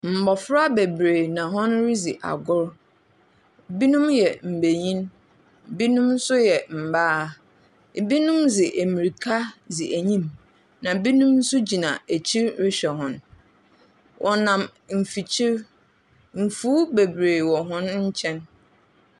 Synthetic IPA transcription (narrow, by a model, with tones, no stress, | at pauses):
m̩˨bɔ˨fɾa˦be˨bɾe˨nã˨ɦɔ̃˦nɾi˦zi˨ʔa̰˨ɡʊ˦ɾ | bi˦nũ˦mjɛ˨m̩˨be˨ɲĩ˦n | bi˦nũ˦mn̩˦sʊ˦jɛ˨m̩˨baː˦˨ | bi˦nũ˦mzɪ˨ʔæ˨mĩ˨ɾi˨kʰa˦zɪ˨ʔæ˨ɲĩ˦m | nã˨bi˦nũ˦mn̩˦sʊ˦d͡ʑi˨nã˨æ˨t͡ɕʰi˦ɾɾɪ˦ɕᶣɛ˨ɦɔ̃˦n | wʔɔ˨nã˨m | m̩˨fi˨t͡ɕʰi˦ɾ | m̩˨fuː˦be˨bɾe˨wɔ˨ɦɔ̃˦nɲ̩˦t͡ɕʰɛ̃˦n